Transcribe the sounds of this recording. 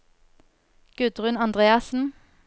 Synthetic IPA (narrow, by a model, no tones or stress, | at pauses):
ɡ̥ʉd̪ʁʉnɑnd̪ʁeːɑsn̩